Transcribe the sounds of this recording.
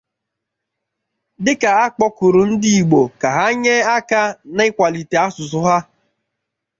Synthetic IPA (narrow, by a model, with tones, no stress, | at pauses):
dɪ˦ka˨a˦k͡pɔ˦ku˨ɾu˨n̩˦di˦i˨ɡ͡bo˨ka˨ɦa˦ɲe˦a˦ka˦na˦ɪ˦kʷa˨li˨te˨a˦sʊ˨sʊ˦ɦa˦